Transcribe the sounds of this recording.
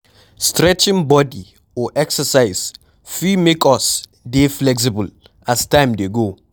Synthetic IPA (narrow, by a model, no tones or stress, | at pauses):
stɹɛt͡ʃɪ̃ŋbɔdi | ɔʔɛksəsaɪz̥ | fimekɔs | deflɛks̬ɪbəl | astãɪ̃mdeɡo